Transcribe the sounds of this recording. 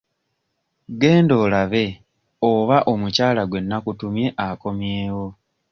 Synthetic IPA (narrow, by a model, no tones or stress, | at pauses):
ɡe̞ːndo̞ːlaβe̞ | oβaʔo̞mucaːlaɡwe̞nːakutumje̞ʔako̞mje̞ːwo̞